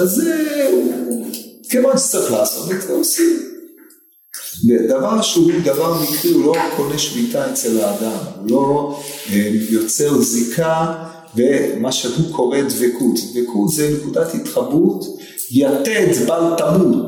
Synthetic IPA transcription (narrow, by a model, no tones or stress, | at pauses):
azeu | kevansaχlaːsotveteosi | ved̪avaʁʃeud̪avaʁmikʁiulo̞kʰo̞neʃmitaet͡selaːd̪amulo̞ejo̞t͡seʁzikʰa | vemaʃehukʰo̞ʁedvekʰutd̪vekʰut̪zɛnekudat̪hit̪χabut | jatedbaltamut